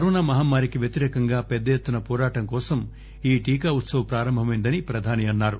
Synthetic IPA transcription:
kɐɾɔːnaːmɐɦaːmːaːɾikiʋjet̪iɾɛːkɐŋɡaːpɛd̪ːɐjet̪ːunɐpɔːɾaːʈɐŋkɔːsɐm | iːʈiːkaːut̪sɐʋɐpɾaːɾɐmbʱɐmɐjnd̪ɐnipɾɐd̪ʱaːniɐnːaːɾu

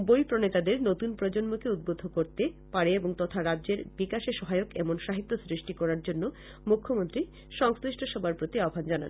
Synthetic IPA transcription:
bojpɾonet̪ad̪eɾnot̪unpɾɔd͡ʑonmokeud̪̚bod̪ʱokoɾt̪epaɾeeboŋt̪ɔt̪ʰaɾadʑeɾbikaʃeʃɔɦaeokɛmonʃaɦit̪ːosɾiʃʈikɔɾaɾd͡ʑonːo | mukʰːomont̪ɾi | ʃɔŋsɾiʃʈʰoʃɔbʱaɾpɾot̪iaobʱand͡ʑana̰n

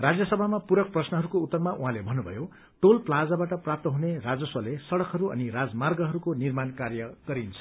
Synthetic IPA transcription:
rad͡zjʌsʌbʱamapuɾʌk̚prʌsnʌɦʌɾukout̪ːʌrmaʔuɦãlebʱʌnːubʱʌ̰jo | ʈolplad͡zabaʈʌprap̚t̪ʌɦunerad͡zʌswʌlesʌɽʌkɦʌɾuʌ̰niɾad͡zmarɡʌɦʌɾukonirmankarjʌɡ̥ʌɾint͡sʰʌ̥

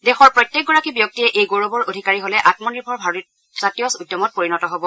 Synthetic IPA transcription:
dɛxɔɹpɹɔjtːjɛk̚ɡɔɹakibjɔk̚tiɛʔejɡoɹobɔɹodʱikaɹiɦolɛʔatmɔniɹbʱɔɹbʱaɹɔ | satijɔsujdːɔmɔt̚poɹinɔtɔɦobɔ

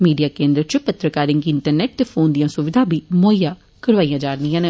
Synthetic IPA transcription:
miːɖijaːkẽːnd̪ɾət͡ʃʊpət̪ɾəkaːɾɪŋɡɪɳʈəɾnɛːʈ̚t̪eːfʰoːnd̪ijãːsʊʋɪd̪ʱaːbiːmoːjaː | kəɽʋaːijãːd͡ʒaːɾnijãːne

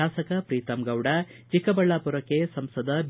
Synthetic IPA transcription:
aːsɐkɐpɾiːt̪ɐmɡɐwɽɐt͡ʃikɐbɐɭːaːpuɾɐkesɐmsɐd̪ɐb

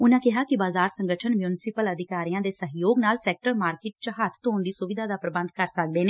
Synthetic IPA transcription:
ʊnãːkɪɦaːkɪbaːzaːɾsəŋɡəʈʰənmjuːnɪsɪpələd̪ʱɪkaːɾijãːd̪eːsəɦjoːɡnaːlsɛːk̚ʈəɾmaːɾkɪːʈ̚t͡ʃəɦat̪ʰt̪oːnd̪iːsʊʋɪd̪ʱaːd̪aːpɾəbə̃nd̪kəɾsək̚d̪eːneː

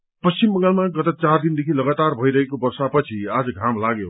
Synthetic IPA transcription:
pʌsimbʌ̃ŋɡalmaɡʌt̪ʌt͡sard̪ind̪ekʰilʌɡat̪arbʱʌjɾʌɦekobʌrsapʌt͡sʰiad͡zʌɡʱamlaɡe

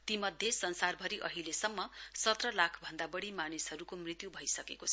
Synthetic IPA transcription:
t̪imʌd̪ʱjesʌnsarbʱʌɾiʔʌɦilesʌmːʌsʌt̪rʌlakʰbʱʌnd̪abʌɽimanisɦʌɾukomrit̪jubʱʌjsʌkekot͡sʰ

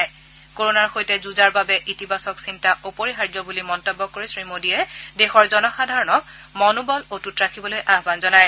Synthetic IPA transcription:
j | koɹonaɹxojtɛzuzaɹbabɛʔitibʱasɔksintaupoɹixaɹd͡ʒjɔbulimɔntɔbːɔkːoɹisɹimodiɛdexɔɹzɔnɔxadʱaɹɔnɔk̚ | mɔnubɔlotutɹakʰibɔlojʔaɦbanzɔnaj

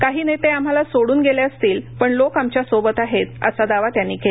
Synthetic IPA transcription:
kaɦiːnet̪eam̤alasoɽuːnɡeljaəst̪iːlpəɳlokamt͡ɕjasobət̪aɦet̪ə̰sad̪aʋat̪janːiːkel

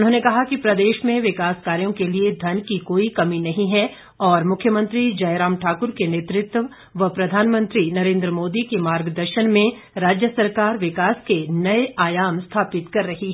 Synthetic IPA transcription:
ʊnɦõːnekɐɦakipɾɐd̪eːʃmẽʋɪkaːskaːɾijõkelied̪ʱɐnkikoːikɐminɐɦĩɦɛ | ɔːɾmʊkʰjəmɐ̃nt̪ɾid͡ʒɐjɾaːmʈʰaːkʊɾkeneːt̪ɾɪt̪ | ʋɐɦpɾɐd̪ʱaːnmə̃nt̪ɾinɐɾẽːnd̪ɾəmoːd̪ikemaːɾɡd̪ɐɾʃənmẽ | ɾaːd͡ʒjəsɐɾkaːɾʋɪkaːskenɐeʔaːjaːmst̪ʰaːpɪt̪kɐɾːɐɦiɦɛ

